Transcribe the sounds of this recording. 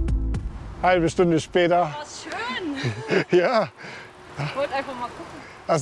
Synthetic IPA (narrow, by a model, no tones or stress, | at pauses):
halbəʃtʊndəʃpɛːtɐʃøːnjaː | avɔltʔaɪnfaχmaːkʰʊkŋ̩ | ʔas